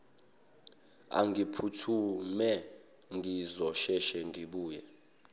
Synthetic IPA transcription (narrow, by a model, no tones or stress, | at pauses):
a̰ŋɡipʰutʰumɛ | ŋɡʱizɔʃɛʃɛŋɡiɓuːjɛ